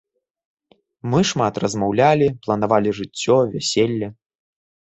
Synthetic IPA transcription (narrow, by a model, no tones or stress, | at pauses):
mɨʂmat̪rɐzmawlʲalʲiplˠɐnavalʲiʐɨt͡sʲːɔvʲæsʲelʲːɐ